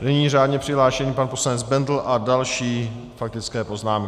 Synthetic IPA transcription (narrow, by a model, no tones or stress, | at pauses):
nɛɲiːraːdɲɛpr̝̥ɪɦlaːʃɛniːpanpo̞slanɛd͡zbɛndl̩ʔadalʃiː | fak̚t̪ɪt͡skɛːpo̞znaːmk